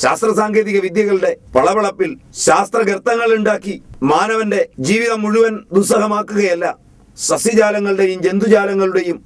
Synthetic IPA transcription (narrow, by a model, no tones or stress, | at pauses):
ɕa̰ːst̪rɐsaːŋɡe̞ːðiɣɐʋid̪jɐɣɐɭuɽe̞pɐɭɐbɐɭɐpːilɕaːst̪rɐɡɾɐt̪ːɐŋːɐɭuɳɖaːkːimaːnɐʋɐnde̞d͡ʑiːʋiðɐmuɻuʋɐnd̪usɐɦɐmaːkːuɣɐjɐlːɐ | sɐsjɐd͡ʑaːlɐŋːɐɭuɽe̞jumd͡ʑe̞nd̪ud͡ʑaːlɐŋːɐɭuɽe̞jum